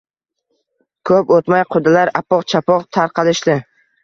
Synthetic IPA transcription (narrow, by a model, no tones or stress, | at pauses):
kʰɵpot̪majqʰod̪ɪlaɾapɒqt͡ʃʰapʰɒqt̪ʰaɾqʰɑlɪʃd̪ɪ